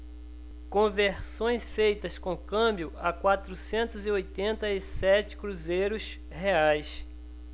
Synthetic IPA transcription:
kõveɾsõj̃sfejt̪ɐskõkɐ̃mbjʊɐkwat̪ɾusẽnt̪ʊzɪojt̪ẽnt̪ɐisɛt͡ʃɪ̥kɾuzejɾʊs | heajs

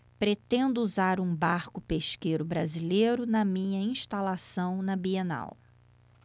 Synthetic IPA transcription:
pɾet̪ẽnd̪ʊuzaɾũbaɾkʊpeʃkejɾʊbɾazilejɾʊnɐmĩɲɐĩʃt̪alasɐ̃w̃nɐbiena̰w

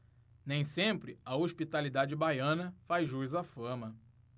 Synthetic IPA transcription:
nẽj̃sẽmpɾɪɐoʃpit̪alid̪ad͡ʒɪbajɐ̃nɐfajzʒuizɐfɐ̃mɐ

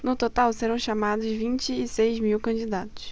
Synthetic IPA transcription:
nʊt̪ot̪awseɾɐ̃w̃ʃamad̪ʊzvĩnt͡ʃɪːsejzmiwkɐ̃d͡ʒid̪at̪ʊ̥s

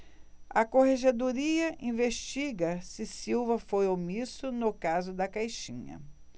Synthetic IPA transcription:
ɐkoheʒed̪oɾiɐʔĩveʃt͡ʃiɡɐsɪsiwvɐfojomisʊnʊkazʊd̪ɐkajʃĩɲɐ̰

